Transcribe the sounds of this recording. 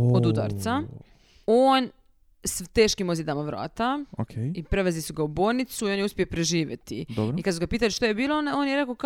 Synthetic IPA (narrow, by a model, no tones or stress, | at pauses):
od̪ut̪a̰ɾt̪sa | oːn | st̪eːʃkimo̞zid̪amaʋɾa̰ːt̪aokʰeipɾeʋezlisuɡauboːlnit̪suio̞njeuspʲiopɾeʒiːʋjḛt̪ḭd̪oɾikad̪suɡapiːt̪aliʃt̪ojebiːlˠoonaoːnjeɾe̞kok